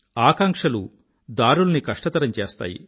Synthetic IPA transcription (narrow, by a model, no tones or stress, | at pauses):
aːkɐŋkʂɐlu | d̪aːɾulɐnikɐʂʈɐt̪ɐɾɐmt͡ʃeːst̪a̰ːjḭ